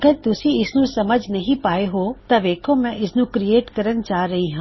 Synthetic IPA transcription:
ɐɡəɾt̪ʊsĩɪsnũsɐməd͡ʒʱnɐɦĩpaːeɦot̪ɐʋeːkʰõmɛ̃ʔɪsnũkɾieːʈkɐɾənt͡ʃaːɾɐɦiɦãː

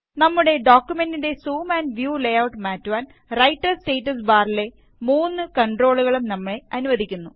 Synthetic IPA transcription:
nɐmːuɽe̞ɖoːkʲːume̞ndinde̞suːmaːnʋjuːlejɐwʈmaːtːuʋaːn | rɐjʈːɐrsʈeːʈːɐs̬baːrile̞ | muːnːɨkɐɳɖro̞ːɭuɣɐɭumnɐmːɐɭe̞ɐnuʋɐðikʲːunːu

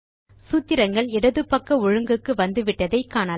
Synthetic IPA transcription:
sut̪ːɪɾɐŋɡɐɭɪɽɐðɯpːɐkːɐʊɻɯŋɡɯkːɯʋɐnd̪ɯʋɪʈːɐðɐɪkːaːnɐ

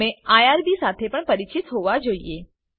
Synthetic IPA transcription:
eajaɾbisat̪ʰepəɳpəɾit͡ʃit̪ɦoʋad͡ʒoie

